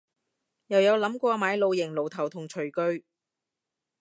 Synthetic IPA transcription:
jɐ˨˩wjɐ˨˧wlɐ˨˥mkʷɔː˧maː˨˧˥jlo˨˧wjɪ˨˩ŋlo˨˩wt̪ʰɐ˨˩wt̪ʰʊ˨˩ŋt͡ʃʰɵ˨˩ɥkɵ˧ɥ

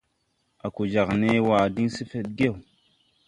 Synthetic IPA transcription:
a˨ku˨d͡ʒa˨ɣne˦wa˨di˦n˦si˦fe˦ɗ̚ɡe˦˨w

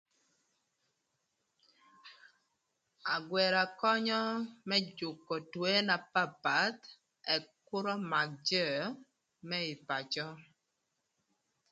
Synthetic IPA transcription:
a˨ɡwɛ˨ɾa˨kɔ˦ɲɔ˦mɛ˦d͡ʒʊ˨kːɔ˨twe˦na˨pa˦˨pa˨˦t̪ | ɛ˨kʊ˦ɾɔ˦ma˨k̚d͡ʒɛ˦˨˦ | mɛ˦ɪ˨pa˨t͡ʃɔ˦

